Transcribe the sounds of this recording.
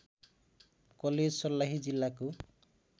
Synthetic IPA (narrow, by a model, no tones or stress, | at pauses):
kɔled͡ʒsɔlːaɦid͡ʒilːaku